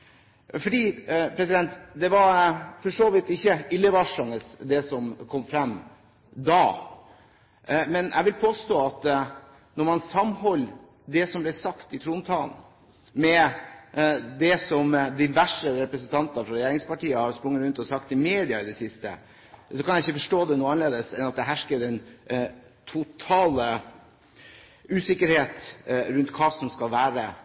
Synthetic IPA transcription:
fɔɖiːpʰɾɛsɪd̪ɛnt̪d̪ɛʋɑɾfɔʂoːʋɪt̪ɪçːəɪlːəʋɑʂɑŋəsd̪ɛsɔmkʰɔmːfɾɛmː | d̪ɑː | mɛnʔæ̰ɪʋɪlpʰoːst̪oːɑt̪ | nɔɾmɑnsɑmhɔlː | d̪ɛsɔmblɛsɑkt̪ɪt̪ʰɾuːnt̪ʰɑːln̩ | mɛ | d̪ɛsɔmd̪iʋæʂəɾɛpɾəsənt̪ʰɑnt̪ɑfɾɑɾɛjeːɾɪŋspɑʈiːəhɑɾspɾʊŋːəɾʉnt̪ɔsɑkt̪ɪmeːd̪ɪɑɾɪd̪ɛsɪst̪ə̰ | sɔkʰɑnjæɪçːəfɔʂʈoːd̪ɛnuːəɑnleːd̪əsɛnɑt̪̚d̪ɛɦæʂkəɾɛn | t̪ʰʊt̪ʰɑːlə | ʉːsɪkːəɾheːt̪ɾʉnt̪kʰɑːsɔmskɑlʋæːɾə

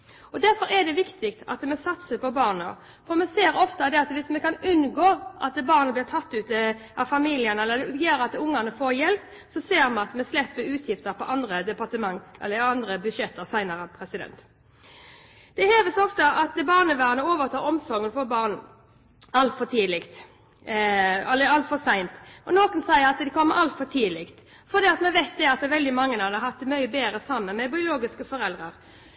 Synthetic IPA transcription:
ɔd̪æɾfɔɾɛd̪ɛʋɪkt̪ɪkt̪ʰɑ̰t̪mɛsɑt̪səpʰɔbɑːʁnə | fɔʁmɛseːɾɔft̪ɑd̪ɛɑt̪ʋɪsmɛkɑnʉnɡoːʔɑ̰t̪̚d̪bɑːʁnəblɪʁt̪ʰɑt̪ːʉːt̪əɑʋfɑmiːlɪənɛlːəd̪ɛjeːɾɑt̪̚d̪ʊŋːəʁnəfoːɾjɛlp | sɔseːʁmɛɑt̪mɛslɛpːəɾʉːt̪ʰjɪft̪əɾpʰɔʔɑnd̪ʁəd̪ɛpɑʁt̪əmɑŋɛ̰lːəɑnd̪ʁəbʉʃjɛt̪ːəʁsæɪnɑɾəpʰʁɛsɪd̪ɛ̰nt̪ | d̪̥ɛheːʋəsɔft̪əʔɑt̪̚d̪ɛbɑːʁnəʋæːʁnəoːʋəʁt̪ʰɑːʁɔmsɔʁŋːənfɔbɑːʁn | ɑlt̪fɔt̪ʰiːlɪkt̪ | ɑlɛɑlt̪fɔsæɪnt̪ɔnoːkənsæɪəɾɑt̪d̪ɛkʰɔmːəʔɑlt̪fɔt̪ʰiːlɪkt̪ | fɔʁd̪iːɑt̪mɛʋæɪt̪̚d̪ɛɑt̪ːɛʋɛld̪ɪmɑŋːənɑd̪əhɑt̪ːmœʏbeːɾəsɑmːənmɛbɪʊloːɡɪskəfɔɾɛld̪ʁəʁ

